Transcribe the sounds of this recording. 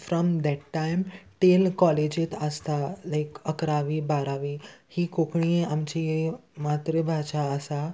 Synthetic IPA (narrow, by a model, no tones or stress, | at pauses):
fɾɔmd̪ɛʈːãjmʈelkɔled͡ʑet̪əst̪alaɪkəkɾaʋiːbaɾaʋiːhiːkokɳ̃ieamt͡ɕiemat̪ɾəbʱaʃaəsa